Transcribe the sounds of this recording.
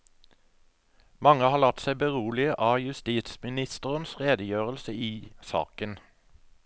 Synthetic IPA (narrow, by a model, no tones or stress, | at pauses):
mɑŋəhɑːlɑt̪sæɪbəʁuːlɪəʔɑːjʉst̪iːt̪smɪnɪst̪əʁənsʁeːd̪əjøːʁəlsəiːsɑ̰ːkən